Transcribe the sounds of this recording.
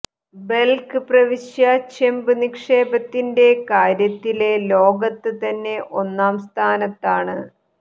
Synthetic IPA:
be̞lkɨprɐʋiɕjaːkʂɐmbɨnikʂe̞ːbɐt̪ːinde̞kaːɾjɐt̪ːile̞lo̞ːɡɐt̪ːɨt̪ɐnːe̞ʔo̞nːaːmst̪ʰaːnɐt̪ːaːɳɨ

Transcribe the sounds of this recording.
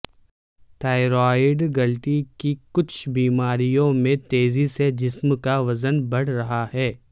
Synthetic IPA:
ʈaːɪɾɔːɪɖɡɐlʈikikʊt͡ʃʰbiːmaːɾijõmẽt̪eːzised͡ʒɪsmkaʋɐzənbɐɽ̤ɾɐɦaɦɛː

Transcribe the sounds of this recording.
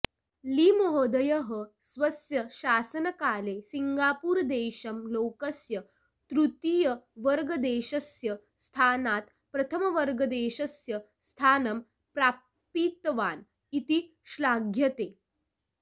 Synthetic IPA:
limoɦod̪əjɐɦə | sʋɐsjɐɕaːsənɐkaːlesiŋɡaːpuːɾd̪eːɕɐmlokɐsjɐ | t̪ɾut̪ijəʋəɾɡəd̪eːɕɐsjɐ | st̪ʰaːnaːt̪ | pɾɐt̪ʰəmɐʋɐɾɡəd̪eːɕɐsjɐ | st̪ʰaːnɐm | pɾaː | piːt̪ʋaːn | it̪i | ɕlaːɡʱjɐt̪eː

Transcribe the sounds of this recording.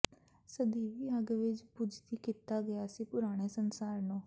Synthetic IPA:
səd̪iːʋiːəɡʋɪd͡ʒpʊd͡ʒt̪iːkiːt̪aːɡəjaːsiːpʊɾaːɽ̃eːsənsaːɾnõː

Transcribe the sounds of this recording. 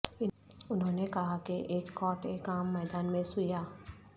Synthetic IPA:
ɪ | ʊnɦõːnekɐɦakiʔeːkːɔːʈeːkaːmːɛːd̪aːnmẽsʊjaː

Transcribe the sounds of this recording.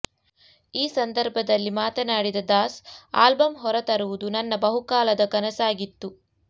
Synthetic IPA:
iːsɐnd̪ɐɾbʱɐd̪ɐlːimaːt̪ɐnaːɽid̪ɐd̪aːsa̰ːlbɐmɦɔɾɐt̪ɐɾuʋud̪unɐnːɐbɐɦukaːlɐd̪ɐkɐnɐsaːɡit̪ːu

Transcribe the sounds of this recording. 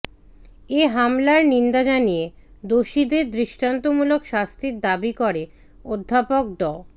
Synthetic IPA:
eɦamlaɾnind̪ad͡ʑanije | d̪oʃid̪eɾd̪ɾiʃʈant̪omulokʃast̪ʰiɾd̪abikoɾe | od̪ʱːapok̚d̪ɔ

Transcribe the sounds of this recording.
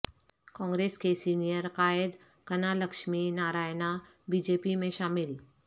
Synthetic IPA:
kɔ̃ːŋɡɾeːskesiːnijəɾkaːɪd̪ | kɐnalɐkʃminaːɾaːjna | biːd͡ʒeːpimẽʃaːmɪl

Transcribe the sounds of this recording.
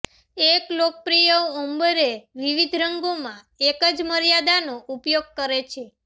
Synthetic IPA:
eklok̚pɾijəʋɔmbəɾeʋiʋid̪ʱɾəŋɡomã | ekəd͡ʒməɾjad̪anoʔupjoɡ̚kəɾet͡ʃʰe

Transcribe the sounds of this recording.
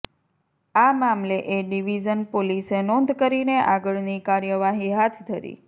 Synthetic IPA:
amamleʔeɖiʋid͡ʒənpolisenɔnd̪ʱkəɾineʔaɡəɭnikaɾjəʋaɦiɦat̪ʰd̪ʱəɾḭ

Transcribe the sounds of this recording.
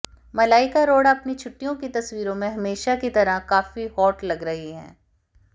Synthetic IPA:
mɐlaːɪkaɾoːɽaɐpnit͡ʃʰʊʈːijõkit̪ɐswiːɾõmẽɦɐmeːʃakit̪ɐɾakaːfihɔːʈlɐɡɾɐɦiɦɛ̰̃ː

